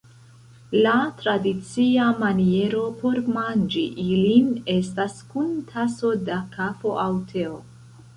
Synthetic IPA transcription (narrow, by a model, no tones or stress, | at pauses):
latɾadit͡siamanie̞ɾo̞po̞ɾmand͡ʒiʔiline̞staskuntʰaso̞dakʰafo̞ʔawtʰe̞o